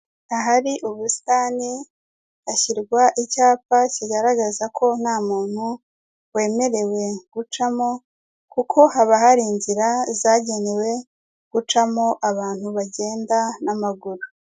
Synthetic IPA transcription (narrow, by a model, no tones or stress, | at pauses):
aɦaɾiʔuβusi̥taːni | açiɾɡwaʔicaːpaciɡaɾaɡazakʰo̞n̥haːmuːn̥hu | we̞ːme̞ɾe̞we̞ɡ̥ut͡ʃamo̞ | kukʰo̞haβaɦaɾiːɲɟiɾazaːɟe̞ne̞we̞ | ɡ̥ut͡ʃamo̞ʔaβaːn̥huβaɟe̞ːndanamaɡuɾu